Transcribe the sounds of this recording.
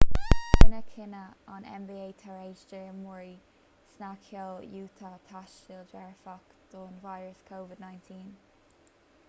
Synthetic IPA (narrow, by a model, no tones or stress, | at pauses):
nəkʰɪnəa̰nɛ̰mbiːeːt̪ʰaɹeːd͡ʒd͡ʒəmuɹi | snakʰjɔljuːt̪ʰat̪ʰaʃild͡ʒɛɹfakd̪̥oːnvajɹəskʰoːvɪd̪najntʰĩːn